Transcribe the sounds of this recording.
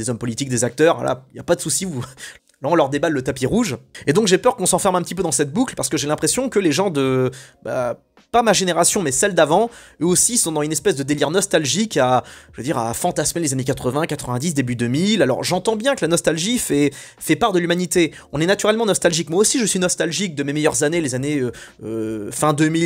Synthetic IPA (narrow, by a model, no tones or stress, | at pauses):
d̪ezɔmpɔlit̪ik̚d̪ezak̚t̪œʁa̰la̰ilja̰pad̪əsusiu | laɔ̃lœʁd̪ebalːət̪apiʁuʒed̪ɔ̃kʒepœʁkɔ̃sɑ̃fɛʁmɛ̃pət̪ip̬ød̪ɑ̃sɛt̪̚buklpaʁsə̥kəʒelɛ̃pχesjɔ̃kəleʒɑ̃d̪əba̰ | pamaʒeneʁasjɔ̃mɛsɛld̪avɑ̃øosisɔ̃d̪ɑ̃zynɛspɛsd̪əd̪eliʁnɔst̪alʒikaʒəved̪iʁa̰fɑ̃t̪asmɛlezanekat̪χəvɛ̃kat̪χəvɛ̃d̪is̬d̪ebyd̪ømilalɔ̰ʁʒɑ̃t̪ɑ̃bjɛ̃kəlanɔst̪alʒifɛ | fɛpaʁd̪əlymanit̪e | ɔ̃nɛnat̪yʁɛlmɑ̃nɔst̪alʒikmwaosiʒəsɥinɔst̪alʒik̚d̪əmemɛjœʁzanelezaneøøfɛ̃d̪ømil